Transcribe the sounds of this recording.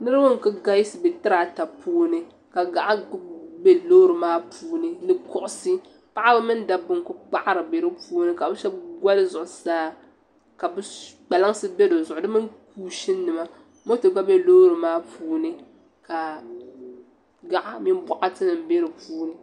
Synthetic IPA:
nɨ˦ɾɨ˦wʊ˦ŋ˨kɨ˦ɡa˦ji˦sɨ˨bɛ˨tɨ˦ɾa˨ta˨puː˦nɨ˨ | ka˨ɡa˨ʔa˦be˦loː˦ɾɨ˨maː˦puː˦nɨ˦nɨ˨kʊ˦ʔʊ˦sɨ˦ | pa˦ʔa˦bɨ˦mɨ˦n˦da˨bʊ˦ŋ˨kʊ˦k͡pa˦ʔa˦ɾɨ˨be˨ɾɨ˦puː˦nɨ˦ka˨bɨ˦ʃɛ˦b̚ɡʷa˦lɨ˦zʊ˨ʔʊ˨saː˦ | ka˨bɨ˦k͡pa˨la˦ŋ˦sɨ˦be˦do˨zʊ˨ʔʊ˨dɨ˦mɨ˦k̚uː˦ʃi˦nː˦ɨ˨ma˦ | mo˦tɨ˨ɡ͡ba˦be˦lo˦ɾɨ˨maː˦puː˦nɨ˦ | ka˨ | ɡa˦ʔa˦mi˦n˦bɔ˦ʔa˦tɨ˦nɨ˨m˨be˦ɾɨ˨puː˦nɨ˦

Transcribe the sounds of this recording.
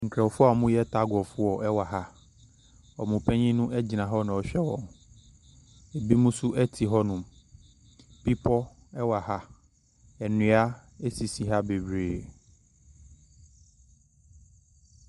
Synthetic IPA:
ŋ̩˨kʰɾɛ˨wfʊ˦a˨mũ˦jɛ˦tʰa˦ɡɔ˨fʊ˦ɔ˨ʔɛ˦wa˨ɦa˦ | ɔ˨mũ˨pʰɛ̃˦ɲĩ˦nʊ̃˦ʔɛ˦d͡ʑi˨nã˨ɦɔ˦nã˨ɔ˨ɕᶣɛ˦wɔ̰̃˨ŋ | e˨bi˦mũ˦sʊ˦ʔɛ˦tʰi˨ɦɔ˦nʊ̃˨m | pi˦pʰɔ˦ | ɛ˦wa˨ha˦ | ɛ˨nʊ̃˨˦a˦ | e˦si˨si˨ɦa˦be˨bɾeː˨

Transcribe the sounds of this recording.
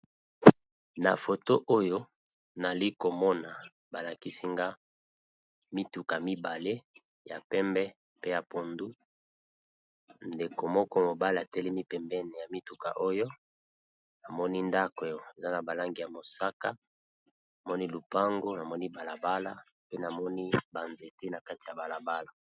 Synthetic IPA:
na̰˨fo˨to˦ʔo˦jo˦ | na˨li˦ko˨mɔ˦na˨ | ba˨la˨ki˦si˦ŋɡa˦ | mi˦tu˨ka˨mi˦ba˨le˦ | ja̰˨pɛ˦mbɛ˦ | pe˦ja˨po˨ndu˦ | nde˨ko˨mɔ˦kɔ˦mo˨ba˦le˦a˨tɛ˦li˦mi˦pɛ˨mbɛ˦nɛ˨ja˨mi˦tu˨ka̰˨ʔo˦jo˦ | na˨mɔ˦ni˦nda˦ke˨o˨e˨za˦na˨ba˨la˦ŋɡi˨ja˨mo˨sa˦ka˦ | na˨mɔ˦ni˦lu˨pa˦ŋɡo˦na˨mɔ˦ni˦ba˨la˨ba˦la˦ | pe˦na˨mɔ˦ni˦ba˨nze˨te˦na˨ka˦ti˨ja˨ba˨la˨ba˦la˨

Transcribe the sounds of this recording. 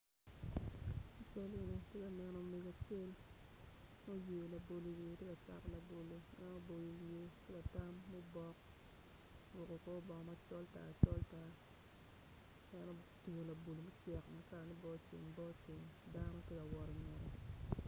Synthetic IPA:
a˨t͡ʃo˦le˨ni˨te˦ka˨nɛ˦nɔ˦me˨ɡo˨t͡ʃe˦l | mo˦je˨la˨bo˨lo˨wje˨te˦ka˨t͡ʃa̰˦˨kla˨bo˨lo˨nɛ˦no˦bo˨lo˨wje˦te˦ka˨ta˦mːɛ˦bɔ˦k | wʊ˨ko˨kɔ˦bɔ˨ŋ˨ma˦t͡ʃɔ˦lta̰˨t͡ʃɔ˦lta˨ | nɛ˦nɔ˦tu˨o˨la˨bo˨lo˨mɛ˦t͡ʃɛ˨kmɛ˦ka˨ɾni˦bɔ˦t͡ʃɪ̰˨ŋbɔ˦t͡ʃɪ˨ŋda˦nɔ˦te˦ka˨wɔ˨ɾɲɔ˨ɾɔ˨

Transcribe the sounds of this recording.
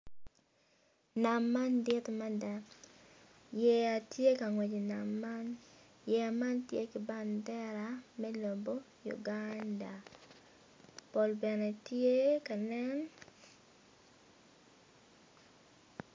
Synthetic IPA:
na˨mːa˦ndɪ˦t̪ma˦da˦ | jɛ˨a˨tje˦ka˨ŋwɛ˨d͡ʒi˨na˨mːa˦n | jɛ˨a˨ma˦ntjḛ˦kɪ˨ba˦ndɛ˦ɾamɛ˦lo˨mbo˦ | jṵ˨ɡanda˨ | po˨lbɛ˨nɛ˨tje˦ka˨nɛ˦n

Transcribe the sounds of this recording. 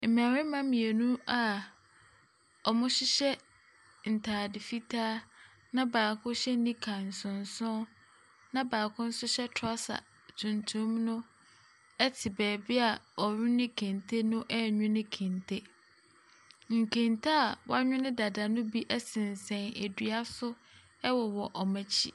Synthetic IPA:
m̩˨m˨ã˨ɾɪ̃˦mã˦mĩ˨e˨nũ˦a˨ | ɔ˨mʊ̃˦ɕɪ˦ɕɛ˦ | n̩˨tʰaː˨dɪ˨fi˦tʰaː˦ | nã˦baː˨kʰʊ̃˦ɕɛ˦nĩ˦kʰã˨n̩˨sʊ̃˨n˨sʊ̃˦ | nã˦baː˨kʰʊ̃˦n̩˦sʊ˦ɕɛ˦tʰɔ˦sa̰˨ | tʰũ˨ntʰʊ̃˦mnʊ̃˦ | ɛ˦tʰɪ˨bɛː˨bɪ˦a˨ɔ˨ɾʊ̃˦nɪ̃˦kʰẽ˨ntʰe˦nʊ̃˦ʔɛ˦ɲᶣʊ̃˦nɪ̃˦kʰẽ˨ntʰe˦ | ŋ̩˨kʰẽ˨ntʰa˦a˨wa˦ɲᶣʊ̃˦nɪ̃˦da˨da˨nʊ̃˦bi˦ʔɛ˦sɪ̃˨n˨sɛ̃˨næ˨dɥa˦sʊ˦ | ɛ˦wɔ˨wɔ˨ʔɔ˨mæ̃˦t͡ɕʰi˦

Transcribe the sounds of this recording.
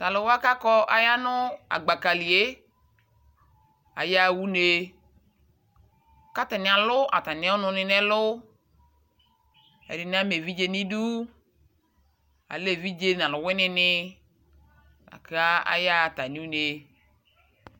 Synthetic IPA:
t̪a˨lʊ˨wa˦ka˦kɔ˦ʔa̰˨ja˦nʊ̃˦a̰˨ɡ͡ba˨ka˨li˨e˦ | a̰˨ja˦˨wu˦ne˨ | ka˦t̪a˨nɪ̃˨a˨lʊ˦ʔa˨t̪a˨nɪ̃˨˦ʊ˦nʊ̃˧nɪ˨nɛ˦lʊ˦ | ɛ̰˨dɪ˨n˦a˦me˨vi˦d͡ʒe˦nĩ˦du˦ | a̰˨le˦˨vi˦d͡ʒe˦n˨ã˨lʊ˨wɪ˦nɪ̃˨nɪ˦ | a̰˨ka˦a̰˨ja˦˨t̪a˨ni˦u˦ne˨

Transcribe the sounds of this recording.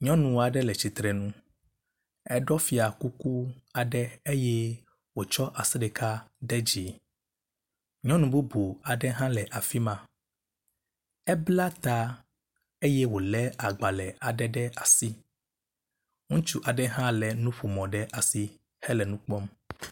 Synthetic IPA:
ɲɔ̃˦nũ˨wa˨ɖɛ˦lɛ˨t͡ɕi˨t̪ɾɛ˨nũ˦ | ɛ˦ɖɔ˦fi˨a˨ku˦ku˦a˨ɖɛ˦e˦jɛ˦ | wo˨t͡ʃɔ˦ʔa˨sɛ˦ɖɛ˨kʰa˦ɖɛ˦d͡ʑi˨ | ɲɔ̃˦nũ˨bu˦bu˨a˨ɖɛ˦ɦã˦lɛ˨ʔa˨fi˦mã˦ | ɛ˦bla˦t̪a˦ | e˦jɛ˦wo˨lɛ˦a˨ɡ͡ba˨lɛ˨a˨ɖɛ˦ɖɛ˦a˨si˦ | ŋũ˦t͡ʃu˦ʔa˨ɖɛ˦ɦã˦lɛ˨nũ˦ɸu˨mɔ̃˨ɖɛ˦ʔa˨si˦ | hɛ˦lɛ˨nũ˦k͡pɔ˦m

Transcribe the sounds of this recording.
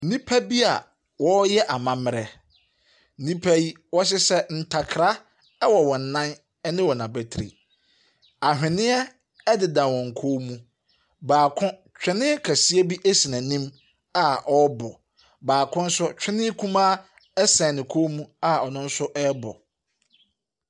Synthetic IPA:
nĩ˦pʰa˦bi˦a˨ | wɔ˦jɛ˦ʔa˨mã˦mɪ˦ɾɛ˦ | nĩ˦pʰæ˦ji˦ | wɔ˦ɕ̬ɪ˦sɛ˦n̩˨tʰa˨kʰɾa˦ | ɛ˦wɔ˨wɔ̃˨n̩˨nã˦n | ɛ˦nɪ̃˦wɔ˨nã˨bɛ˨tʰɾḭ˨ | a˨ɦᶣɪ̃˨nɪ̃˦ɛ˦ | dɪ˨dã˨wɔ̃˨ŋ̩˨kʰoː˦mũ˦ | baː˨kʰʊ̃˦ | t͡ɕᶣɪ˦nɪ̃˦kʰæ˨si˦e˦bi˦ʔe˦si˨nã˨nĩ˦m | a˦ʔɔ˦bɔ˨ | baː˨kʰʊ̃˦n̩˦sʊ˦t͡ɕᶣɪ˦nɪ̃˦kʰũ˦mã˦ | ɛ˦sɛ̃˨nɪ̃˨kʰoː˦mũ˦a˦ɔ˨nʊ̃˦n̩˦sʊ˦ʔɛ˦bɔ̰˨

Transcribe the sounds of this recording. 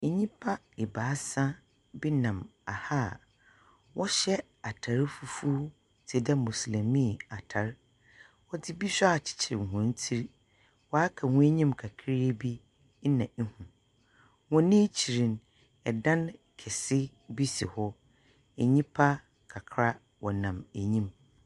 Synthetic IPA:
ɲĩ˦pʰa˦ | ɪ˨baː˨˦sã˦ | bi˦nã˨ma˨ha˦˨ | wɔ˦ɕɛ˦ | a˨tʰa˨ɾfu˨fu˦ | tʰɛ˨dɛ˦mũ˨slĩ˨mĩ˦˨a˨tʰa˨ɾ | wɔ˦dɪ˦bi˦ɕᶣa˨t͡ɕʰɪ̥˨t͡ɕʰɪ˨ɾɪ̰˨ŋ˨ɦʊ̃˨˦n̩˦tʰi˦ɾ | wɔ˨a˦kʰa˨hʊ̃˦e˦ɲĩ˦mkʰa˨kʰɾi˦e˦bi˦ | n̩˦nã˨˦hũ˨ | wɔ̃˨nĩ˦t͡ɕʰi˨ɾĩ˨n | ɛ˨dã˦n | kʰɛ˨sɪ˦ | bi˦sḭ˨hɔ˦ | ɛ˨ɲĩ˦pʰa˦ | kʰa˨kʰɾa˦ | wɔ˨nã˨mæ˨ɲĩ˦m

